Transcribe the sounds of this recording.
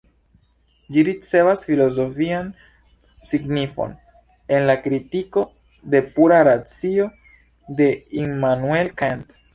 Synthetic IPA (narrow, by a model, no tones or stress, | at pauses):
d͡ʒiɾit͡se̞vasfilo̞zo̞fian | siɡnifo̞̰n | e̞nlakɾitiko̞ | de̞puɾaɾat͡sio̞ | de̞imanue̞lkant